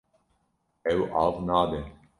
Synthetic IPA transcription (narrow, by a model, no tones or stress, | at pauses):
ɛwaːvnaːd̪e